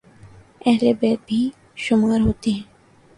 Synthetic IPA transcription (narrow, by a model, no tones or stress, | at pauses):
ɛɦlebɛːt̪̚bʱi | ʃʊmaːɾɦoːt̪eɦɛ̃ː